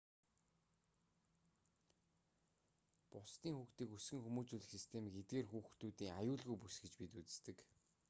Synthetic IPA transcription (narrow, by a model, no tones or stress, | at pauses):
pʊst̪iːŋxuːxt̪iːkusɡɘ̆ŋxumuːt͡ɕuːɮɘ̆xsist̪ʰemiɡet̪̚ɡeːrxuːxt̪uːt̪iːŋajʊːɮɣujpusɡɘ̆t͡ɕpit̪ut͡sɘ̥̆st̪ɘ̆k